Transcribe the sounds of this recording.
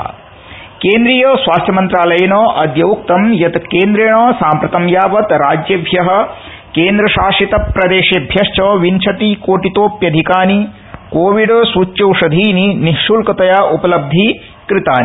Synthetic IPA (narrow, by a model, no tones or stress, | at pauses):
keːnd̪ɾijoːsʋaːst̪ʰjɐmɐnt̪ɾaːlɐjɐnoːʔɐd̪jɐwk̚t̪ɐmjɐt̪keːnd̪ɾeːɳoːsaːmpɾɐt̪ɐmjaːʋɐt̪ɾaːd͡ʒjɐbʱjɐɦɐ̆ | keːnd̪ɾɐʃaːʂit̪ɐpɾɐd̪eːʃeːbʱjɐʂt͡ʃɔːʋint͡ʃʰɐt̪ikoːʈit̪oːpjɐd̪ʱikaːni | koːʋiɖsuːt͡ʃːɐwʂɐd̪ʱiːniniʃuːlkɐt̪ɐjaːʔupɐlɐb̚d̪ʱi | kɾɪt̪a̰ːni